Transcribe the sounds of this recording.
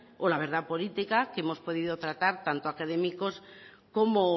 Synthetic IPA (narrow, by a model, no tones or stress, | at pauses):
olaβ̞e̞ɾð̞apo̞lit̪ikakemo̞spo̞ðiðot̪ɾat̪aɾt̪ant̪oakað̞e̞miko̞s | komo